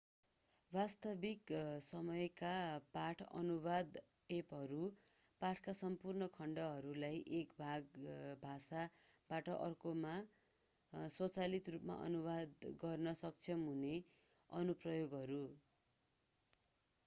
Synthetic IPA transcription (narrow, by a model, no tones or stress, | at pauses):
bast̪ʌbiksʌmʌjkapaʈʰʌ̰nubad̪ | epɦʌɾu | paʈʰkasʌmpurnʌkʰʌɳɖʌɦʌɾulajʔekbʱaɡbʱasabaʈʌʔʌrkoma | swʌt͡salit̪rupma̰ʔʌ̰nubad̪ɡʌrnʌsʌkt͡sʰʌmɦune | ʌnuprʌjoɡɦʌɾu